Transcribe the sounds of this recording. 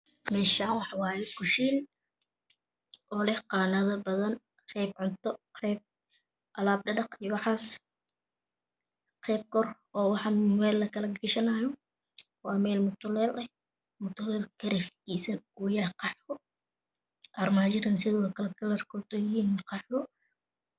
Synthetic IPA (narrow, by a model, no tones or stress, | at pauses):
mɛːʃawɑħɑwaːjɛkʊʃiːn | ʔɔːlɛhqɑːnɐðɐbɐðɐn | qɛːbʕʊnt̪ʰɔqʰɛːb̚ | ʔɐlaːb̚ɖɐdɐqijwɑħaːs | qɛːb̚kʰɔr | ɔːwɑħɑmɛːlːɐkʰɐlɐɡɪʃɐnaːjɔ | wɑːmɛːlmʊt̪ʰʊlɛːlɐ | mʊt̪ʊlɛlkʰɐɾɛft̪iːsɐnʊjaqɑħɔ | ʔɐrmad͡ʒɪɾɐnsɪðɪwɐkʰɐlɐɡɐlɐrkʰɔt̪ɔjɪiːnqɑħɔ